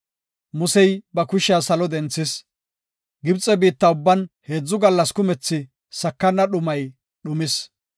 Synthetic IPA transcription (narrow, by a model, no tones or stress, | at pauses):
mʊsɛjbɐkʊʃaːsɐlɔd̪ɛnt͡sːɪs | ɡɪbt͡sʼɛbiːt̪ːɐʊbːɐnhe̞ːd͡zːʊɡɐlːɐskʊmɛt͡sːɪ | sɐkːɐnːɐɗʊmɐj | ɗʊmɪs